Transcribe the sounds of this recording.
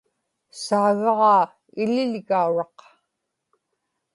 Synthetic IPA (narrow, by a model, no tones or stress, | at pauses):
saːɣɑʁɑː | ɪlɪlɣauɻɑq